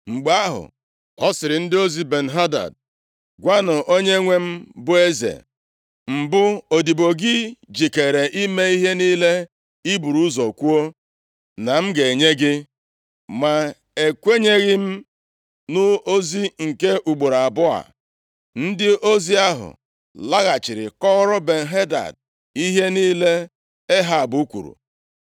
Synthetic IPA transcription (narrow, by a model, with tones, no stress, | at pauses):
ŋ͡m̩˨ɡ͡ba˦ɦʊ̰˨ | ɔ˦sɪ˨ɾɪ˨n̩˦dɪ˦o˦zi˦be˨n̩˨ɦa˦da̰˨d̚ | ɡʷa˦nʊ˨ʔo˦ɲe˦ŋʷe˦m̩˦bʊ˦e˦zḛ˨ | m̩˨bʊ˦o˨di˨bo˨ɡɪ˦d͡ʒi˨ke˨ɾe˨ʔi˦me˦i˦ɦe˦niː˦le˦ | i˦bu˨ɾu˦zɔ˨kʷu˦o˦ | na˨m̩˦ɡe˨ɲe˦ɡɪ˦ | ma˨ | e˨kʷe˦ɲe˦ɣɪ˦m̩˦ | nʊ˦o˦zi˦ŋ̩˨ke˦ʔu˨ɡ͡bu˨ɾa˨bʊ˦a̰˨ | n̩˦dɪ˦o˦zi˦a˦ɦʊ̰˨ | la˦ɣa˨t͡ʃɪ˨ɾɪ̰˨kɔ˦ɣɾʊ˦be˨n̩˨ɦe˦da̰˨d̚ | i˦ɦe˦niː˦le˦ | e˦ɦa˨bu˨˦u˦kʷṵ˨ɾṵ˨